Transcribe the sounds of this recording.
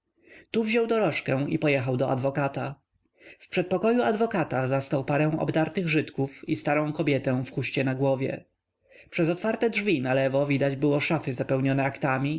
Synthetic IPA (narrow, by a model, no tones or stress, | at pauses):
t̪uvʑɔwd̪ɔɾɔʂkɛ̃ḭpɔjɛxawd̪ɔʔa̰d̪vɔkat̪a | fpʂɛt̪̚pɔkɔjuad̪vɔkat̪azast̪awpaɾɛ̃w̃ɔ̰bd̪aɾt̪ɘɣʐɘt̪kufist̪aɾɔ̃w̃kɔbʲjɛt̪ɛ̃fxuɕt͡ɕɛnaɡwɔvʲjɛ̰ | pʂɛzɔt̪faɾt̪ɛdʐvʲinalɛvɔvʲid̪ad͡ʑbɘwɔʂafɘzapɛwɲɔnɛakt̪amʲi